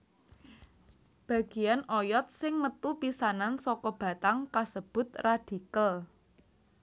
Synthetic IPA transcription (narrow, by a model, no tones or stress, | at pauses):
b̥ä̤ɡ̥i̤janɔjɔt̪̚sɪŋmət̪upisanansɔkɔb̥a̤t̪aŋkasəb̥ʊ̤t̪̚rad̥ikəl